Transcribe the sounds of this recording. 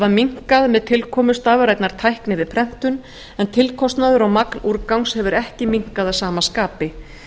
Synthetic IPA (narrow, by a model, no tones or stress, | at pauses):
vamiŋ̥kaðmɛðt̪ʰɪlkʰɔːmʏst̪aːvʏɾajt̪naɾ̥t̪ʰajhknɪvɪð̥pʰɾɛm̥t̪ʏn | ɛnt̪ʰɪlkʰɔst̪naðʏɾawmaknuɾkawŋshɛvʏɾɛhcɪmiŋ̥kaðasaːmaskaːpɪ